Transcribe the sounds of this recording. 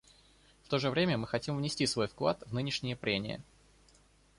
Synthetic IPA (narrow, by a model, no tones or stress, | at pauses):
ft̪o̞ʐɨvɾʲemʲəmɨxɐtʲimvnʲɪsʲtʲisvo̞jfklˠa̰t̪vnɨnʲɪʂnʲɪjəpɾʲemʲɪ̰jə̰